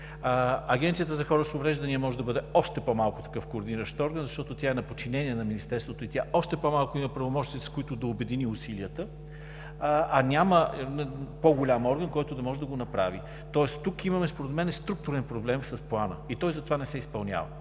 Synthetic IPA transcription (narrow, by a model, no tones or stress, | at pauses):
ɐɡɛnt̪siət̪əzɐxɔɾəsovɾɛʒd̪ɐnʲiəmɔʒɛd̪ɐbɤd̪ɛɔʃt̪ɛpomalˠkʊt̪ɐ̥kɤfkoːɾd̪iniɾəʃt̪ɔɾɡənzɐʃt̪ɔt̪ot̪ʲjaɛnɐpot͡ʃinɛniɛnɐminist̪ɛɾst̪vot̪oit̪ʲjaɔʃt̪ɛpomalˠkʊimɐpɾɐvomɔʃt̪iskʊit̪ʊd̪ɐobɛd̪iniʊsiliət̪ə | ɐnʲamə | poɡolʲamɔɾɡənkɔjt̪ʊd̪ɐmɔʒɛd̪ɐɡonɐpɾa̰vi | t̪ɔɛst̪ukimɐmɛspoɾɛd̪mɛnɛst̪ɾuk̚t̪ʊɾɛnpɾoblɛmsɐsplˠanə̰it̪ɔjzɐt̪ovanɛsɛispɐlˠnʲa̰və̰